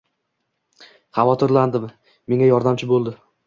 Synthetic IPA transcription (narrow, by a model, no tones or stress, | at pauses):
χɑvɒt̪ʰɪɾland̪ɪmː | e̞ŋajɒɾd̪amt͡ʃʰɪbolˠd̪ɪ